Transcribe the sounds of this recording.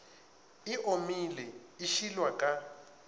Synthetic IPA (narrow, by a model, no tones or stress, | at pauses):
iʔomilɛiʃilwakʼa